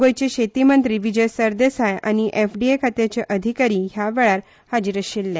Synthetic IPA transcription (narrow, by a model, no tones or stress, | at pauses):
ɡojt͡ɕeɕet̪imənt̪ɾiːʋid͡ʑəjsəɾd̪esaja̰ñiʔefɖiekʰat̪jat͡ɕeʔəd̪ʱikaɾiːɦjaʋɛɭaɾ | had͡ʑiɾəɕilːe